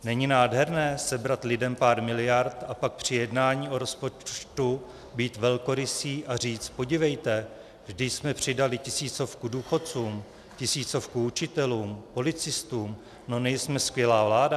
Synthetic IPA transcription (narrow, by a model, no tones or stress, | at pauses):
nɛɲinaːdɦɛɾnɛːsɛbɾat̪lɪdɛmpaːɾmɪlɪjaɾt̪apak̚pr̝̥ɪjɛdnaːɲiːʔo̞ɾo̞spo̞t͡ʃt̪u | biːt̪vɛlko̞ɾɪsiːʔar̝iːt͡st̪̚po̞ɟɪvɛjt̪ɛ | vʒdɪsmɛpr̝̥ɪdalɪcɪsiːt͡so̞fkuduːxo̞t͡suːm | cɪsiːt͡so̞fkuut͡ʃɪt̪ɛluːmpo̞lɪt͡sɪst̪uːm | no̞nɛjsmɛskvjɛlaːvlaːda